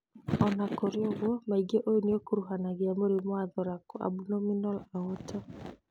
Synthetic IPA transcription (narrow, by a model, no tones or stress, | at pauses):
ɔnakɔɾiɔɣwɔmaiɡɛʔɔjuniɔkuɾuɦanaβjamɔɾimwaðɔɾakɔa̰bunɔminɔlaɔtɔ